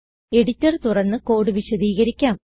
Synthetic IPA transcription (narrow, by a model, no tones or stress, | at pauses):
eɽit͡ɕːɐrt̪urɐnːɨko̞ːɽɨʋiɕɐd̪iːɣɐɾikʲːaːm